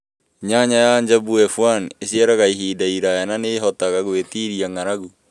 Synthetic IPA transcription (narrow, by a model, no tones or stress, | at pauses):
ɲaɲajaɲd͡ʒabuɛfwanesiɛɾaɣaiɦiːdaiɾajananeɦɔtaɣaɣwetiɾiaŋaɾaɣu